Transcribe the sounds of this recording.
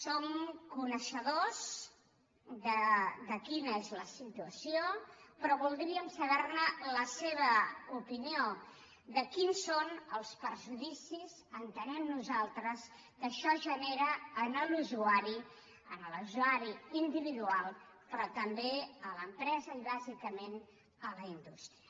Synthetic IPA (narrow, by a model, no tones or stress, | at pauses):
somkunəʃəðoz | d̪əd̪əkinəezləsit̪uəsiopɾɔβulˠd̪ɾiəmsəβɛrnələseβ̞əupinio | d̪əkinsonəlˠspəɾʒuðisizənt̪ənɛmnuzalˠt̪ɾəs | kəʃɔʒəneɾəːnəluzuaɾi | ənəluzuaɾiind̪iβiðualˠ | pɾɔt̪əmbeələmpɾɛzəiβazikəmen | ələind̪ust̪i